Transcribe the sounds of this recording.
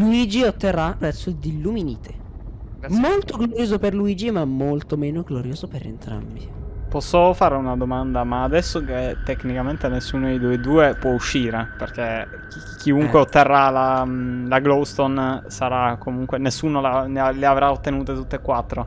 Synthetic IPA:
luid͡ʒiot̪ːerːaɾɛsod̪ilːuminḭːt̪ʰe̥ | molt̪oɡloɾjoːzoperluiːd͡ʒimamːolt̪omeːnoɡloɾjoːzopeɾḛnt̪ɾa̰mbipɔsːofaːɾeunad̪omand̪amaːd̪ɛsːoket̪ːeknikament̪enesːuːnoeid̪ued̪uːepwɔuʃːiːɾeperke | kʰːiuŋkkweot̪ːerːalalaɡlowst̪onsaɾakːomuŋkwenesːuːnolaneleavɾaot̪ːenuːt̪et̪ut̪ːekːwat̪ːɾo

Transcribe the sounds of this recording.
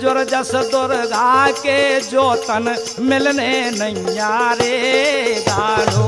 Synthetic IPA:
d͡ʒoɾd͡ʒɐsəd̪oɾɡaːked͡ʒoːt̪ɐn | mɪlnenəjaːɾe | ɡaːno

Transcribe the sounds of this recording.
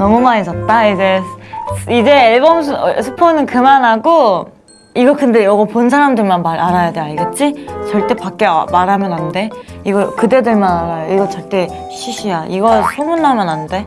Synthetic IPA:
nʌmumaɾis͈ʌt̚t͈aid͡ʑe̞ | id͡ʑe̞ːɭbom̬ʰsʰɯpʰonɯnkɯmanɦaɡo | iɡʌkɯnde̞jʌɡʌponsʰaɾamdɯɭmanmaɾaɾajadeaɭɡet̚t͡ɕ͈it͡ɕʌɭt͈e̞pak͈̚emaɾɦamjʌnɦande̞iɡʌkɯde̞deɭmanaɾajoiɡʌt͡ɕʌɭt͈e̞ | ɕʰiɕʰijaʔiɡʌsʰomunːamjʌnɦande̞

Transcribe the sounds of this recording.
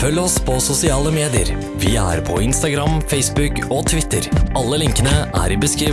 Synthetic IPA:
fœlːəɔspʰɔsʊsɪɑːləmeːd̪ɪə̰ɾ | ʋɪæ̰ɾpʰɔɪnst̪ɑɡɾɑmfɛɪsbʉkɔt̪ʰʋɪt̪ːəɾɑlːəlɪŋkənəʔæ̰ːɾɪbəskɾiː

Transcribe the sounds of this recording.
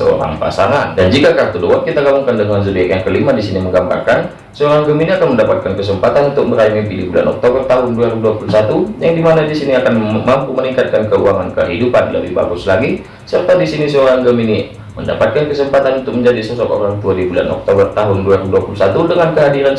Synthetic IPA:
sə̰o̰ɾa̰ŋpa̰sa̰ŋandand͡ʒikakart̪udowat̪̚kit̪aɡamuŋkandəŋans̬əbiakjaŋkəlimadisiniməŋɡamba̰rkan | səoɾaŋɡəminiakanməndapat̪̚kankəsəmpat̪anunt̪ʊk̚məɾajŋipidibula̰nɔ̰k̚t̪obərt̪aɦʊnduaɾiduapulusat̪ujaŋdimanadisiniakanmampuməniŋkat̪̚kankəuaŋankə̰ɦidupanlə̰bihba̰ɡʊslaɡi | sərt̪adisinisəoɾaŋɡəmini | mənda̰pat̪̚kankəsəmpat̪anunt̪ʊk̚məɲd͡ʒadisəsɔk̪o̰ɾaŋt̪uadibula̰nʔɔ̰k̚t̪obərt̪aɦʊnduaɾuduapulusat̪udəŋankəɦadiɾan

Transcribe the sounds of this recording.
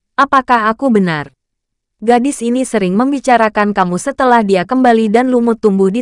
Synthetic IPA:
ʔapakahakubənar | ɡadɪsinisəɾɪŋməmbit͡ʃaɾakankamusət̪əlahdiakəmbalidanlumʊt̪ːumbʊhdi

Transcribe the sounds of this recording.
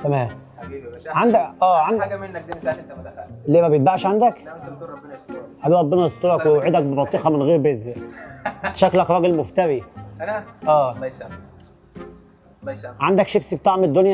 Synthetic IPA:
t̪æmæːm | ʕand̪æʔæːʕand̪æe | leːmæbejet̪baʕʃʕand̪æk̪ː | ħæbiːɾˤɑbːenɑst̪oɾˤɑkwewʕed̪æk̚bebɑt̪ˤːiʔɑmenɣeːɾbezæ | t̪ʃæklækɾˤɑɡelmoft̪æɾi | ʔæː | ʕand̪ækʃebsib̚t̪ɑːʕmed̪ːonjæ

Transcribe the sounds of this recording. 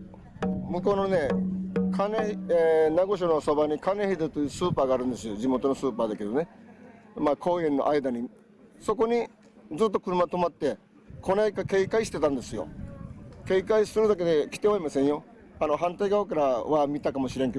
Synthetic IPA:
mɯ̟k̬o̞ːnone̞kʰaneenaɡo̞ɕ̬onoso̞baɲ̟ikane̞hid̪et̪ːojɯsɨːpaːɡaːɾɯ̟̃nd̪e̞sɨjod͡ʑimo̞t̪o̞nosɨːpaːd̪ake̞d̪o̞ne̞ | maːkʰo̞ːẽ̞nːo̞̰ʔaid̪aɲ̟i | so̞ko̞ɲ̟i | d͡zɨːt̪ːokɯ̟ɾɯmat̪o̞mat̪ːe̞ | kʰo̞naikake̞ikaiɕi̥t̪e̞t̪ãnd̪e̞sɨjo̞̰ | ke̞ikaisɨɾɯd̪ak̬e̞d̪e̞kʲi̥t̪eoimasẽ̞ɰ̃jo̞ | ano̞ɦãnt̪aiɡaokaɾaβamʲit̪akamo̞ɕiɾẽ̞ŋke̞d̪

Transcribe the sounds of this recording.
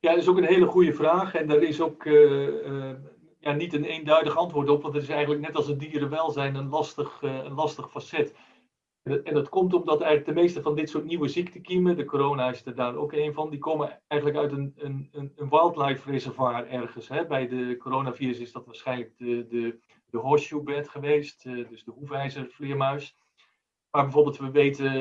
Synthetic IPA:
jaɪsokənɦeːləχujəvraːχɛndaːɾɪsokə | janitəneːndœɥdəχɑntʋʊːɹtɔpʋɑntətɪsɛjɣəntləknɛtɑlˠsədiːɾəʋɛlˠzɛjnənlɑstəχənlɑstəχfasɛt | nɛndɑtkɔmtɔmdɑtɛjɣələɡdəmeːstəvɑndɪtsuːtniwəziktəkimədəkoɾownaɪsdədaːro̰keːnvɑndikoːməɛjχənləkœɥtənənəənʋajlˠtlajffrezɛɹvaːrɛrχənsɦɛbɛjdəkoɾownaviːrɾəsɪzdɑtʋaːɹsχɛjnlək̚dədə | dəɦɔʃjubɛtχəʋejstdɵsdəɦuvɛjzərflɪəmœɥs | maːɹbɛjvoːɹbɪlˠtʋəʋeːtə

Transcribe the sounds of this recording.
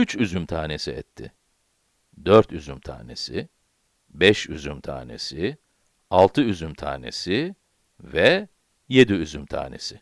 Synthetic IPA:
yt͡ʃʰyzymt̪ʰaːnesiɛt̪ʰːɪ̰ | d̪øɾt̪ʰyzymt̪ʰa̰ːne̞sɪ | bɛʃyzymt̪ʰa̰ːne̞̰si | alˠt̪ʰɯyzymt̪ʰa̰ːne̞̰si | vɛ | je̞d̪iyzymt̪ʰa̰ːne̞̰sɪ

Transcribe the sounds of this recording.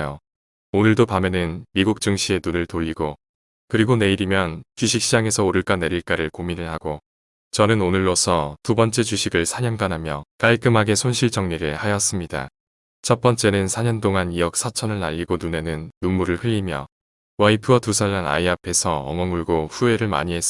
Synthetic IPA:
jo | onɯɭdopamenɯnmiɡuk̚t͡ɕ͈uŋɕʰie̞nunɯɭtoʎːiɡo | kɯɾiɡone̞iɾimjʌnt͡ɕuɕʰik̚ɕ͈ʰid͡ʑaŋe̞sʰʌoɾɯɭk͈ane̞ɾiɭk͈aɾɯɭkominɯɭɦaɡo | t͡ɕʌnɯnonɯɭːosʰʌtubʌnt͡ɕ͈e̞t͡ɕuɕʰiɡɯɭsʰaɲʌnɡanɦamjʌk͈aɭk͈ɯmɦaɡe̞sʰonɕʰiɭt͡ɕʌŋɲiɾɯɭhajʌs͈ɯmɲida̰ | t͡ɕʰʌp͈ʌnt͡ɕ͈e̞nɯnsʰaɲʌnt͈oŋanijʌk̚s͈ʰat͡ɕʰʌnɯɭna̰ʎːiɡonune̞nɯnːumːuɾɯɭɸɯʎːimjʌ̰ | waipʰɯʌtusʰaɭːana̰iapʰe̞sʰʌʌ̰ŋʌŋuɭɡoɸue̞ɾɯɭma̰ɲiɦe̞s͈

